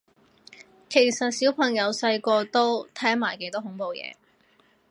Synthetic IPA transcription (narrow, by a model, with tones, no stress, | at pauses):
kʰe˨˩jsɐ˨t̚siː˨˥wpʰɐ˨˩ŋjɐ˨˧wsɐ˧jkɔː˧t̪o˥wt̪ʰɛː˥ŋmaː˨˩jke˨˥jt̪ɔː˥ɦʊ˨˥ŋpo˨wjɛ̰ː˨˧